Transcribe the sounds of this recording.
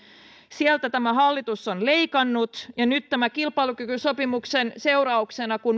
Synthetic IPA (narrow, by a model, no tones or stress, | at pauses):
sielt̪æt̪æmæɦɑlːit̪usːonleikɑnːut̪jɑnyt̪t̪æmækilpɑilukykysopimuksense̞urɑuksenɑkun